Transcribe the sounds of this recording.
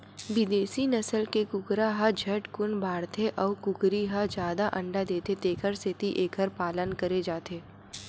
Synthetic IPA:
bɪd̪eːsinɐsəlkekʊkɾaɦad͡ʒʱɐʈkʊnbaːɾt̪ʰeʔɔːkʊkɾiɦad͡ʒjaːd̪aʔɐ̃ɳɖad̪eːt̪et̪eːkʰəɾsɪt̪iʔeːkʰəɾpaːlənkɐɾed͡ʒaːt̪eː

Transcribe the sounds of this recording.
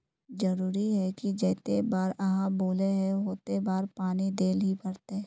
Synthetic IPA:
d͡ʒɐɾuːɾiɦɛkid͡ʒɛːt̪ebaːɾɐɦãboːleɦɛɦoːt̪ebaːɾpaːnid̪eːlɦipɐɾt̪e

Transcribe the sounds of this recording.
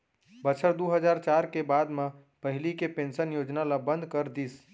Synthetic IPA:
bət͡ʃʰəɾd̪uɦəd͡ʒaɾt͡ʃaɾkebad̪mẽ | pəɦilikepensənjod͡ʒnalabə̃nd̪ʱkəɾd̪is

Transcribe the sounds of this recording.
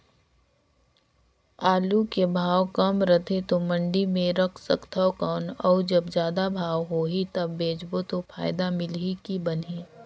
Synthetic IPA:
aːlukebʱaːwkɐmɾət̪ʰet̪omə̃ɳɖimẽɾɐkʰsəkt̪ʰaokaːnɔːd͡ʒɐbzjaːd̪abʱaːwɦoːɦit̪ɐbːeːd͡ʒbot̪ofʰa̰ːɪd̪amɪlikibɐnɦi

